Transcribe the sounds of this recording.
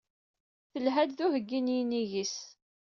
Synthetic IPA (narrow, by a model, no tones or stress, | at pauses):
θəlɦæd̪ðuhəɡːinjniʝis